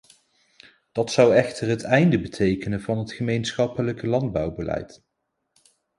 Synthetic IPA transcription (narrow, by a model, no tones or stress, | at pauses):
d̥ɑtsʌwɛχtərɦətɛjndəbətʰejkənənvɑnɦətχəmejnsχɑpələkəlɑndbɑwbəlɛ̰jt